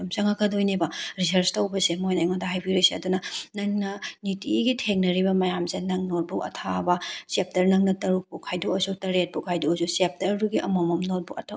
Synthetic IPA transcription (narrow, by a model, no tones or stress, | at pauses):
msɐŋakʰɐdojnebɐɾisɐɾstɐwbɐsemojnajŋodaɦajbiɾiseɐdunɐnɐŋnɐnitiɡitʰeŋnɐɾibɐmɐjamsenɐŋnot̚buʔɐ̰tʰabɐsep̚tɐɾnɐŋnɐtɐɾuk̚pukʰːajdoɐsutɐɾet̚bukʰajdoɐzusep̚tɐɾduɡiʔɐmomɐmnot̚buʔɐ̰tʰɐ